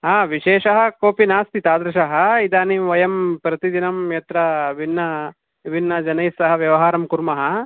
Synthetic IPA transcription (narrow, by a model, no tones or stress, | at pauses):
ɦaːʋiʃeːʃɐɦɐ̆koːpinaːst̪ʰit̪aːd̪ɾɐʃɐɦɐ̆id̪aːniʋɐjɐmpɾɐt̪id̪inɐmjɐt̪ɾɐʋinːɐ | ʋinːɐd͡ʒɐnɐjsɐɦɐʋjɐʋɐɦaːɾɐmkuɾmɐɦɐ